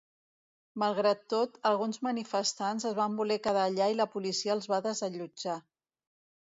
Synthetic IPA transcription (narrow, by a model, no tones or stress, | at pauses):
məlˠɣɾat̪ːot̪əlˠɣunzmənifəst̪anzəzβambulɛkəðaːʎailəpulisiəːlˠzβaðəzəʎud͡ʒa